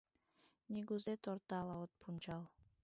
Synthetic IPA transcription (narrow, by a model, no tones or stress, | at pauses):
nʲiɡuzet̪oɾt̪alˠaot̪̚pʰumt͡ʃɑlˠ